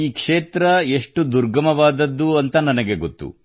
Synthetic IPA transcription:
iːkʂeːt̪ɾɐeʂʈud̪uɾɡɐmɐʋaːd̪ɐd̪ːuɐnt̪ɐnɐnɐɡe̞ɡot̪ːṵ

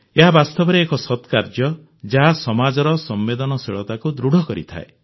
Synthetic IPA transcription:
eɦabast̪ɔbɔɾeːkɔsɔt̪kaɾd͡ʒjɔ | d͡ʒaɦasɔmad͡ʒɔɾɔsɔmːed̪ɔnɔseɭɔt̪akud̪ɾuɽʱɔkɔɾḭt̪ʰa̰e

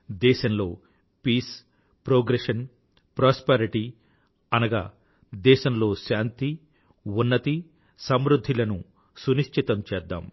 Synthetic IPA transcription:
d̪ɛːʃɐmlo̞ː | piːs | pɾoːɡɾeʂɐn | pɾaːspeɾiʈi | ɐnɐɡa̰ː | d̪ɛːʃɐmlo̞ːʃaːnt̪i | unːɐt̪i | sɐmɾud̪ʱːilɐnu | suniʃʈʰit̪ɐmt͡ʃɛːd̪ːa̰ːm

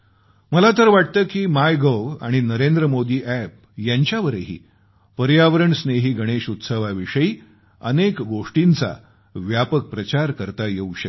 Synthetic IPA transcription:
məlat̪əɾʋaʈ̚t̪əːkiːmajɡəʋa̰ɽ̃inəɾend̪ɾəmod̪iːʔæp̚ | jaɲt͡ɕjaʋəɾəɦḭː | pəɾjaʋəɾəɳsneɦiːɡʱəɽ̃eɕut̪səʋaʋiʂəiː | ə̰nekɡoʂʈint͡sa̰ | ʋjapək̚pɾət͡ɕaɾkəɾt̪ajeuɕə

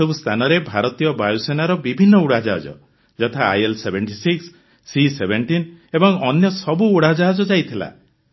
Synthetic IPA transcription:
ubust̪ʰanɔɾebʱaɾɔt̪ijɔbajusenaɾɔbibʱinːɔuɽad͡ʒaɦad͡ʒɔ̰ | d͡ʒɔt̪ʰa̰ːjelsebʱenʈisiksː | isebʱenʈinebɔŋɔnjɔsɔbuːɽad͡ʒɔɦad͡ʒɔd͡ʒajt̪ʰila̰

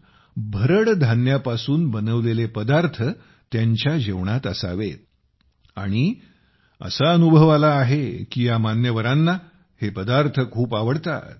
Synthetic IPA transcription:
bʱəɾəɽd̪ʱanjapasuːnbənəʋlelepəd̪aɾt̪ʰə | t̪jaɲt͡ɕjad͡ʑeʋɳat̪əsa̰ʋe | aɽ̃i | ə̰saənubʱəʋalaːɦekiːjamanjəʋəɾãnːa | hepəd̪aɾt̪ʰəkʰuːpaʋəɽt̪a̰t̪

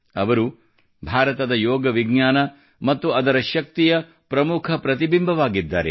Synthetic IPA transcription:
ɐ̰ʋɐɾu | bʱaːɾɐt̪ɐd̪ɐjoɔːɡɐʋiɡɲaːnɐ | mɐt̪ːuɐd̪ɐɾɐʃɐk̚t̪ijɐ | pɾɐmukʰɐpɾɐt̪̬ibimbʱɐʋaːɡid̪ːa̰ːɾḛ

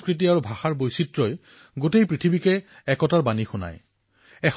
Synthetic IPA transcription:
skɹit̬iaɹubʱaxaɹbojsitɹɔj | ɡotejpɹitʰibikɛ | ɛkɔtaɹbanixuna̰j | ɛx

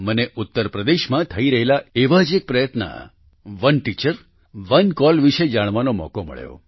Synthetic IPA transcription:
məneʔut̪ːəɾpɾəd̪eʃmãt̪ʰəiɾəɦelaeʋad͡ʒek̚pɾəjət̪na̰ | ʋənʈit͡ʃəɾ | ʋənkɔlʋiʃed͡ʒaɽ̃ʋanomɔ̰komə̰ɭjo̰

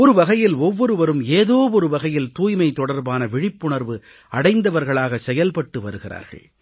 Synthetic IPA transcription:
ɔɾɯʋɐɣɐjɪlɔʋːɔɾɯʋɐɾɯmeːðoːɔɾɯʋɐɣɐjɪlt̪uːjmɐɪt̪ɔɽɐɾbaːnɐʋɪɻɪpːʊɳɐɾʋɯ | ɐɽɐɪnd̪ɐʋɐɾɣɐɭaːɣɐsɛjɐlpɐʈːɯʋɐɾɯɣɪra̰ːɾɣɐ̰ɭ

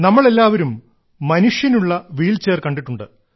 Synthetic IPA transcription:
nɐmːɐɭe̞lːaːʋɐɾumː | ɐnuʂjɐnuɭːɐʋiːlt͡ɕeːrkɐɳɖiʈːuɳɖɨ

